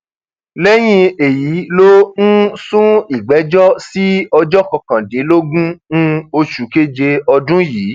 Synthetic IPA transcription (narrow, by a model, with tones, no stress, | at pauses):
lɛ˦j̃ĩ˧e˨ji˨˦lo˦nũ˦sũ˦i˨ɡ͡bɛ˨˦d͡ʒɔ˦si˦ɔ˧d͡ʒɔ˦kɔ˧kã˨dĩ˨˦lo˦ɡũ˦nũ˧o˧ʃu˨ke˦d͡ʒe˧ɔ˧dũ˦jiː˨˦